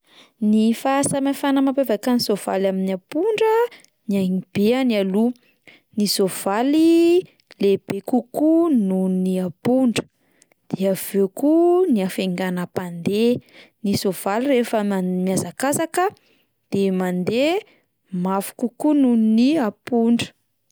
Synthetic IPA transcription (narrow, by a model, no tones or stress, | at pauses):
nifasamafanəmapevakanisov̥alaminiapuɳɖ͡ʐə | niaŋib̥eanialu | nisov̥ali | leb̥ekukununniapuɳɖ͡ʐə̥ | d̪̥eav̥ekuniafeŋɡanəpand̪enisov̥alirefəmiazakazakə | d̪̥emand̪e | mafu̥kukununniapuɳɖ͡ʐə̥